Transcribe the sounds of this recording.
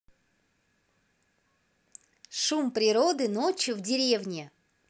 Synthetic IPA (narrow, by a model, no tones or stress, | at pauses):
ʂumpɾʲɪɾo̞d̪ɨnot͡ɕjʊvdʲɪɾʲe̞vnʲɪ